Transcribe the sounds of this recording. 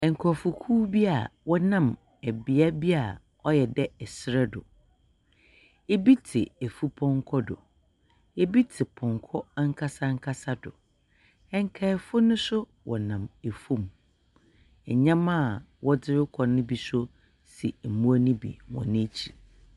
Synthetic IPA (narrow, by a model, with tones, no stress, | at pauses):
ɛ˨ŋ̩˨kʰɔ˨fʊ˨kʰuː˦bi˦a˨wɔ˦nã˦˨m | æ˨bi˨a˦bi˦a˨ | ɔ˦jɛ˨dɛ˦ɛ˨sɪ˦ɾɛ˦dʊ̰˨ | e˦bi˦tʰɪ˨e˨fu˦pʰɔ̃˦ŋ˦kʰɔ˦dʊ̰˨ | e˦bi˦tʰɪ˨pʰɔ̃˨ŋkʰɔ˦a˦ŋ̩˦kʰa˦sa˦ŋ̩˦kʰa˦sa˦dʊ̰˨ | ɛ˦ŋ˦kʰa˦˨fʊ˦nʊ̃˦sʊ˦ | wʔɔ˨nã˨me˨fũ˦m | ɛ˨ɲã˦mã˦˨ | wɔ˦dɪ˦ɾɪ˦kʰɔ˨nʊ̃˦bi˨sʊ˦ | si˨mũ˦a˦nĩ˦bḭ˨wɔ̰̃˨nɪ̃˦t͡ɕʰi˨